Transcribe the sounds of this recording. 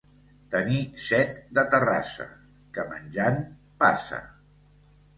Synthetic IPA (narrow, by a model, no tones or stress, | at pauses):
t̪ənisɛt̪d̪ət̪əra̰sə̰ | kəmənʲʒan | pa̰sə̰